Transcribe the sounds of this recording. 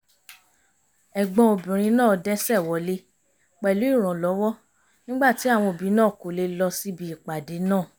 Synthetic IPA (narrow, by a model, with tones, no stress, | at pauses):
ɛ˨ɡ͡bɔ̃˧o˨bĩ˨ɾ̃ĩ˧nãː˦˨dɛ˦sɛ˦˨wɔ˨˦le˦ | k͡pɛ˨lu˨˦i˦˨ɾ̃ɔ̃˨lɔ˨˦wɔ˦ | nĩ˦ɡ͡ba˦˨ti˨˦a˦˨w̃ɔ̃˧˨bi˨˦nãː˦˨ko˨˦le˧lɔ˧si˦bi˧i˨k͡pa˨de˨˦nãː˦˨